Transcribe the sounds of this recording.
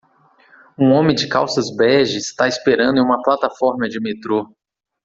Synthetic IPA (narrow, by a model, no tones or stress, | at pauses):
ũõmẽd͡ʒɪkawsɐzbɛʒɪst̪aɪspeɾɐ̃nd̪ʊẽũmɐplat̪afɔɾmɐd͡ʒɪmet̪ɾo